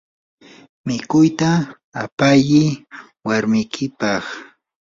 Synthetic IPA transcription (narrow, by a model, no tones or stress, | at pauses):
mɪkʊjt̪aː | pajɪ | waɾmɪjkʰɪpɑχ